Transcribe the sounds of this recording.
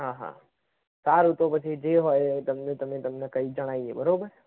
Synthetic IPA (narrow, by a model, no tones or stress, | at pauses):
ɦãɦã̰ | t̪aɾut̪opət͡ʃʰid͡ʒeɦoet̪əmnẽt̪əmẽt̪əmnekəid͡ʒəɽ̃aːiebəɾobəɾ